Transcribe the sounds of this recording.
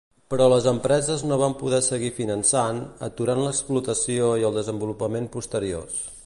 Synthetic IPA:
pɾɔləzəmpɾɛzəznoβ̞ampuðɛsəɣifinənsanə̰t̪uɾanləksplut̪əsioiəlˠd̪əzəmbulupəmempust̪əɾio̰s

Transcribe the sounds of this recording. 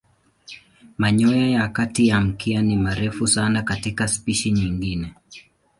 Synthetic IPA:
maɲɔjajakatijam̩kianimaɾɛfusanakatikaspiʃiɲiŋɡinɛ

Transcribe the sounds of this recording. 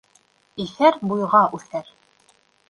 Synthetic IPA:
iθæɾbujʁɑʔʉθæɾ

